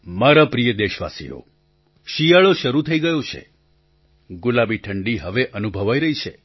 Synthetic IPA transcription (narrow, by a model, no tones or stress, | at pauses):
maɾapɾijəd̪eʃʋa̰sḭjo̰ | ʃijaɭoʃəɾut̪ʰəiɡəjot͡ʃʰḛ | ɡulabiʈʰəɳɖiɦəʋeʔənubʱəʋajɾəɦit͡ʃʰḛ